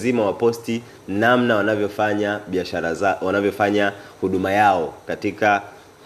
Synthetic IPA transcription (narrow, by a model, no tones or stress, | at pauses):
zimawapɔsti | namnawanavjɔfaɲaɓiaʃaɾaawanavjɔfaɲahuɗumajaɔkatika